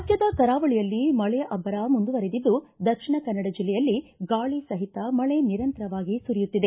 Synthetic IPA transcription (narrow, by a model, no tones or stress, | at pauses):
ɐt̪jɐd̪ɐkɐɾaːʋɐɭijɐlːimɐɭeʔɐbːɐɾamund̪uʋɐɾed̪id̪ːud̪ɐkʂiɳɐkɐnːɐɽɐd͡ʒilːɛjɐlːiɡaːɭisɐɦit̪ɐmɐɭeniɾɐnt̪ɐɾɐʋaːɡisuɾijut̪ːid̪e